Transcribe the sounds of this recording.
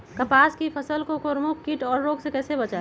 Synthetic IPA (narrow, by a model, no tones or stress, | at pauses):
kəpaːskipʰəsəlkokoɾmukkːiʈɔːɾːoːɡsekɛːsebət͡ʃa